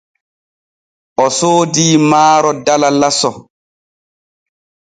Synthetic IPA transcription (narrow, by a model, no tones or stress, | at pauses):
ʔɔsoːdiːmaːɾɔdalalasɔ